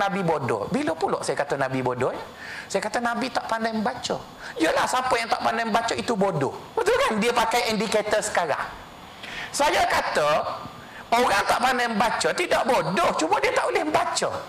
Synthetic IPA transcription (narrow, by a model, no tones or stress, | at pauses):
abibodɔ̰bilopulɔ̰ʔsajakat̪ənabibodɔjə | sajakat̪ənabit̪aʔpandajməbat͡ʃə | ijəlahsapəjaŋt̪aʔpandajməbat͡ʃəit̪ubodɔ̰hwət̪uɾaŋdiəpakajɛndiket̪ərsə̥kaɾa̰ŋ | sajakat̪ə | oɾaŋt̪aʔpandajməbat͡ʃət̪idaʔbodɔht͡ʃumadiət̪aʔolɪhməbat͡ʃə̰